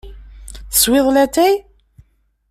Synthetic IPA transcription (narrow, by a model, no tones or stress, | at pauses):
θə̥swɪðˤlæt̪ːæj